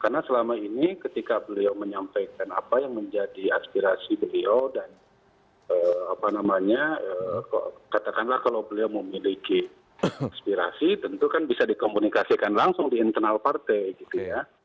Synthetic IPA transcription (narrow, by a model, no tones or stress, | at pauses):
karnasəlamainikət̪ikabəliawməɲampajkanapajaŋməɲd͡ʒadiaspiɾasibəliowdan | əːapanamaɲaəːka̰kat̪akanlahkalawbəliawməmiliki | aspiɾa̰sit̪ənt̪ukanbisadikomunikasikanlaŋsʊŋdiːnt̪ərnalpart̪ejɡit̪uja